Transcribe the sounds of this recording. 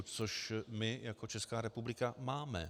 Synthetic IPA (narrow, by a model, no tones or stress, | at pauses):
t͡soʃmɪjako̞t͡ʃɛskaːɾɛpublɪkamaːmɛ̰